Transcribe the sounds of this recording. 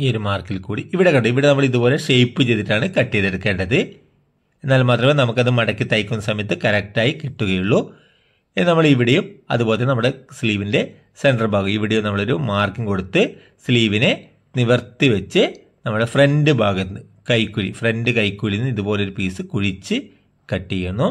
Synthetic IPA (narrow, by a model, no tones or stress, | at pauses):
ioɾumaːrkilkuːɽiiʋiɽe̞kːɐɳɖuiʋiɽenɐmːɐɭiðubo̞ːle̞ʂejpːɨt͡ɕejt̪ːiʈːaːɳɨkɐʈːiðeɽukːe̞ːɳɖɐðɨ | e̞nːaːlmaːt̪rɐmenɐmukːɐðɨmɐɽɐkːit̪ɐjkʲːunːɐsɐmɐjɐt̪ːɨkɐɾek̚ʈaːjikiʈːuɣɐjuɭːu | enːɐmːɐɭiʋiɽejumɐ̰ðubo̞ːlt̪ːenɐmːuɽesliːʋinde̞ | se̞ɳɖɐrbʱaːɣumiʋiɽejumnɐmːɐɭo̞ɾumaːrkiŋko̞ɽut̪ːɨ | sliːʋine | niʋɐrt̪ːiʋɐt͡ɕːɨ | nɐmːuɽe̞frendɨbʱaːɡɐnːɨ | kɐjkːuɻḭfre̞nɖɨkɐjkːuɻinːiðubo̞ːleoɾupiːsɨkuɻit͡ɕːɨ | kɐʈːijuɳːu